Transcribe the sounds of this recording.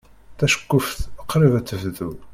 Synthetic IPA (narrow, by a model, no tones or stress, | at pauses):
θæʃə̥kːʊfθəqːɾivæt͡sːəvðu